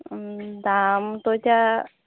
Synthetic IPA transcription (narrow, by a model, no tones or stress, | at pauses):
d̪amt̪ot͡ʃa